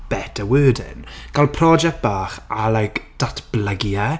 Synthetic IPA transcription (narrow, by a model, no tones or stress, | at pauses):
b̥ɛtʰəwəːdɪ̰nɡ̥alˠpʰrɔd͡ʒɛk̚t̚b̥aːχalajkd̥atʰb̥ləɡjɛ